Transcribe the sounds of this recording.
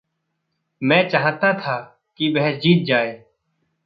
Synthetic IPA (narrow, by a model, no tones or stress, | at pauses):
mɛ̃ːt͡ʃaɦt̪aːt̪ʰaː | kibɛɦɛsd͡ʒiːt̪̚d͡ʒaːeː